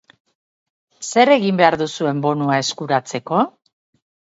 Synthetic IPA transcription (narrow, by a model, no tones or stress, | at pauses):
se̞ɾe̞ɣimbe̞aɾðusue̞mbo̞nuae̞skuɾat͡se̞ko̞